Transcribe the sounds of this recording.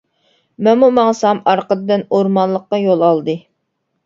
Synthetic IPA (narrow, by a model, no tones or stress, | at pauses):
mɛmumɑŋsɑmɑɾqəd̪ɨd̪ɨnoɾmɑnlˠːəqːɑjolˠɑlˠd̪ɨ